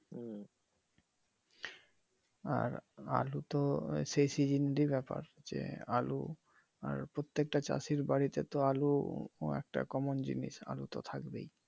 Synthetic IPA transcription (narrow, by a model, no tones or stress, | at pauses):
a̰ɾa̰lut̪osejsid͡ʑinɾibɛpa̰ɾd͡ʑḛalṵ | aɾpɾot̪ːek̚ʈat͡ɕa̰siɾbaɽit̪et̪oaluɛk̚ʈa̰kɔmond͡ʑiniʃa̰lut̪ot̪ʰakbḛj